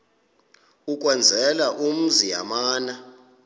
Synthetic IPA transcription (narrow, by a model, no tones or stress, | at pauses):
ukʼwɛnd͡zʱɛlaʔum̩zija̰maːna